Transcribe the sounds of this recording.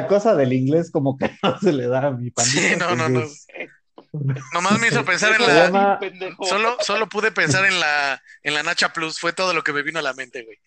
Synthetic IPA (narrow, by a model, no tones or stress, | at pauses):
ako̞saðe̞liŋɡle̞sko̞mo̞keno̞se̞le̞ðamipaninonoo | no̞mazme̞is̬ope̞ns̬aɾenlaemanso̞loso̞lo̞puðe̞pe̞nsaɾe̞nlaenlanat͡ʃaplusfwe̞t̪oð̞o̞lokeme̞βinolamẽ̞nt̪e̞ɣwej